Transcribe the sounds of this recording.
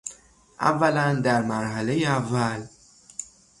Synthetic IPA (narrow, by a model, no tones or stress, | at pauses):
ʔæ̰vːælænd̪æɾmæɾɦælejeævːæl